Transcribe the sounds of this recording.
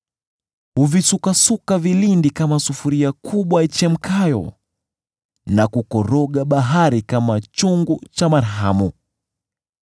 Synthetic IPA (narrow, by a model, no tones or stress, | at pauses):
huvisukasukavilindikamasufuɾiakʰuɓwait͡ʃɛm̩kʰajɔ̰ | nakukɔɾɔɠaɓaɦaɾikamat͡ʃuŋɡut͡ʃamaɾɦamu